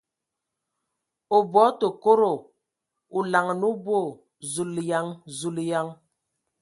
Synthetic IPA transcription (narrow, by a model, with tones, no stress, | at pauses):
o˨bwɔ˨˦to˨ko˦ɾo˨ | u˨la˨ŋ˨nu˦bo˦˨ | zu˨lja˦ŋzu˨lja˦ŋ